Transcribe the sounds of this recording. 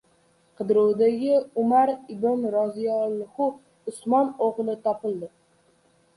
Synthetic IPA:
qʰɨd̪ɾuwd̪aɡʲɪʊmaɾɪbɪnɾɒzijɒlˠːhʊ | ʊsmɒnoʁlˠɪt̪ʰɒpɪlˠd̪ɪ

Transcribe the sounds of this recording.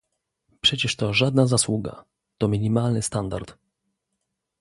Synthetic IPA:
pʂɛt͡ɕɛʂt̪ɔʐad̪nazaswuɡa̰ | t̪ɔmʲiɲimalnɘst̪and̪a̰ɾt̪

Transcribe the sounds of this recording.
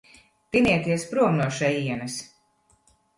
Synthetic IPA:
piniɛt̪iɛspɾuɔmnuɔʃɛjiɛnɐs

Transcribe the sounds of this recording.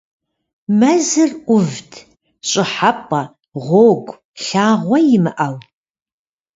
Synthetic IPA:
mɐzɨrʔʷʊvtʰ | ɕʼɪħap̚ʼɐ | ʁʷoːɡʷ | ɬaːʁʷɔjɪmɨʔɐw

